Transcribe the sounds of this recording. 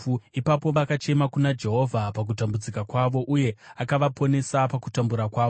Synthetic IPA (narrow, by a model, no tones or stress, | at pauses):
ipapo̞ʋakat͡ʃe̞makunad͡ʒe̞ɦo̞vʱapak̬utambud͡zikakwaʋo̞ʔuje̞akaʋapo̞ne̞sapakutambuɾakwaːʋo